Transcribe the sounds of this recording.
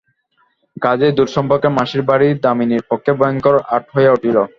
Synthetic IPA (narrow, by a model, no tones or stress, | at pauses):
ɡad͡ʑed̪uɾʃɔmpoɾkemaʃiɾbaɽid̪aminiɾpokʰːebɔjoŋkɔɾʔaɾʈʰɦoeeuʈilo